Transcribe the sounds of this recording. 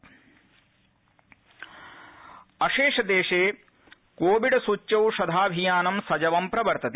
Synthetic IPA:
ɐʃeːʂɐd̪eːʂeː | koːʋiɖɐsut͡ʃːjɐwʃɐd̪ʱaːbʱijaːnɐmsɐd͡ʒɐʋɐmpɾɐʋɐɾt̪ɐt̪ː

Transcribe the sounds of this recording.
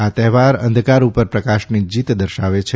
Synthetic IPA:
at̪ɛɦʋaɾə̰nd̪ʱkaɾupəɾpɾəkaʃnid͡ʒit̪d̪əɾʃaʋet͡ʃʰ

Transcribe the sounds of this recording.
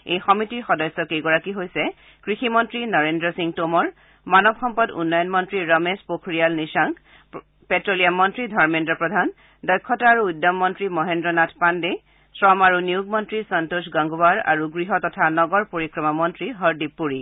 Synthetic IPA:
ejxɔmitiɹxɔdɔjsːɔkejɡɔɹakiɦojsɛ | kɹiximɔntɹinɔɹendɹɔsiŋtomɔɹ | manɔbxɔmpɔdṵnːɔjɔnmɔntɹiɹɔmespokʰɹijalnisaŋk | petɹolijamːɔntɹidʱɔɹmendɹɔpɹɔdʱan | dɔjkʰːɔtaaːɹuːdːamːɔntɹimɔɦendɹɔnatʰpande | sɹɔmaɹunijuɡmɔntɹisantosɡaŋɡobaɹa̰ɹuɡɹiɦɔtɔtʰanɔɡɔɹpoɹikɹɔmamɔntɹiɦɔɹdipːuɹi

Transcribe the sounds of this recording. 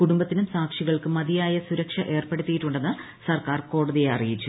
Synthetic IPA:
kuɽumbɐt̪ːinumsaːkʂiɣɐɭkɨmɐðijaːjɐsuɾɐkʂɐʔe̞ːrpeɽut̪ːijiʈːuɳɖe̞nːɨ | sɐrkaːrko̞ːɽɐðijeɐ̰rijit͡ɕːu

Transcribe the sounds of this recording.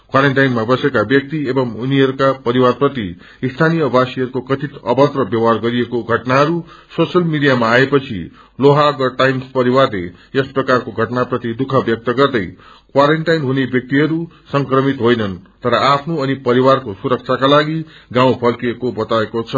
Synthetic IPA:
kwaɾeɳʈajnmabʌsekabjʌk̚t̪iebʌmuniɦʌɾukapʌɾiwarprʌt̪i | ist̪ʰanijʌbʱasiʌɾukokʌt̪ʰit̪ʌbʌt̪rʌbjʌwɦarɡʌɾiekoɡʱʌʈnaɦʌɾu | sosʌlmiɖijamaːepʌt͡sʰḭ | loɦaɡʌʈajmspʌɾiwarlḛesprʌkarkoɡʱʌʈnaprʌt̪id̪ukʰʌbjʌk̚t̪ʌɡʌrd̪ʌj | kwaɾeɳʈajnɦunebjʌk̚t̪iɦʌɾu | sʌŋkrʌmit̪ɦojnʌnt̪ʌɾʌʔapʰnoʌnipʌɾiwarkosuɾʌk̚t͡sʰakalaɡiɡãw̃pʰʌrkiekobʌt̪aekot͡sʰʌ

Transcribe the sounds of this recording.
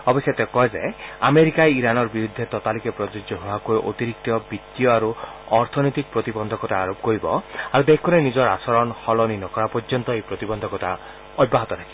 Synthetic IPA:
ɔbɔsjet̪ekɔed͡ʒaameɾikaeiɾanɔɾbiɾud̪ʱet̪ɔt̪alikepɾɔt̪ud͡ʒɔɦoakueʔo̰t̪iɾik̚t̪ɔbit̪ːijɔaɾu | ɔɾt̪ʰɔnɔjt̪ik̚pɾɔt̪ibɔnd̪ʱɔkɔʈaːɾop̚koɾibɔ̰aɾud̪ekʰkɔnenid͡ʒɔɾasɔɾɔnhɔlɔninɔkɔɾapɔɾd͡ʒɔnt̪ɔejpɾɔt̪ibɔnd̪ʱɔkɔtʰa | ɔd̚bːaɦɔt̪ɔt̪ʰḁkʰibɔ

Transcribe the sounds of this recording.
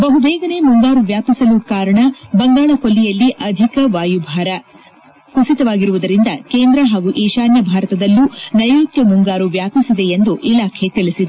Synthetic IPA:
bɐɦubɛːɡɐne̞muŋɡaːɾuʋjaːpisɐlukaːɾɐɳɐbɐŋɡaːɭɐkolːijɐlːiʔɐd̪ʱikɐʋaːjubʱaːɾɐ | kusit̪ɐʋaːɡiɾuʋud̪ɐɾind̪ɐkeːnd̪ɾɐɦaːɡuʔeːʃaːnjɐbʱaːɾɐt̪ɐd̪ɐlːunɐjuːt̪jɐmuŋɡaːɾuʋjaːpisid̪e̞end̪uʔilaːkʰe̞t̪ilisid̪e

